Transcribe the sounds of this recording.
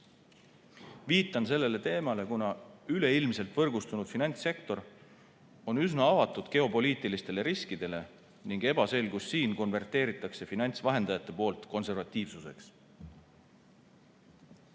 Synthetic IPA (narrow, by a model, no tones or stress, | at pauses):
viːt̪ːˑɑnse̞lːe̞le̞t̪e̞ːmɑle̞kunɑyleilmse̞lt̪v̥ɤrɡust̪unud̪̥finɑnʲt̪se̞kt̪o̞ɾ | o̞nysnɑɑvɑt̪ːˑud̪̥ke̞o̞po̞liːt̪ˑilist̪e̞le̞ɾiskid̪̥e̞le̞ | niŋɡ̥e̞b̥ɑse̞lɡusːiːnko̞nve̞rt̪e̞ːɾit̪ːˑɑkse̞finɑnʲt̪svɑɦe̞nd̪̥ɑjɑt̪ːˑe̞po̞ːlt̪ko̞nse̞rvɑt̪ʲːˑiːvsuse̞̰ks